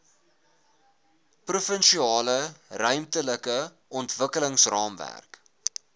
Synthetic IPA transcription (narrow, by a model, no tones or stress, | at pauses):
prufənʃiɑːlərœɥmtələkə | ʔɔntvəkələŋsrɑːmvæ̰rk